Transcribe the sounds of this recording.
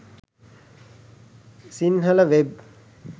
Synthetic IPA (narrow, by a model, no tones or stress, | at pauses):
sinɦələʋeb̚